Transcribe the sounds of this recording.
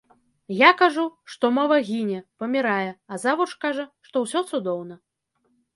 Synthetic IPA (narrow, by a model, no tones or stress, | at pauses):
jakaʐuʂt̪ɔmɔvɐɣʲinʲɛpɐmʲiɾajɛazavuʂkaʐɐʂt̪ɔwsʲɔt̪sud̪ɔwnɐ